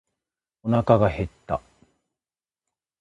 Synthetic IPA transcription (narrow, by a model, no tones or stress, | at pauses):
onakaɡahe̞t̪ːa̰